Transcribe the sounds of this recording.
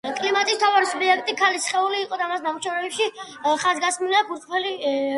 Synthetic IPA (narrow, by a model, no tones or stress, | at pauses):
kʼlimat̪ʼist̪ʰavaɾisubiɛk̚ʰt̪ʼikʰalisχɛuliːqʼɔd̪aːmasnamuʃɛvɾɛbɛpʃi | χazɡasmilaɡuɾt̪ʼpʰɛli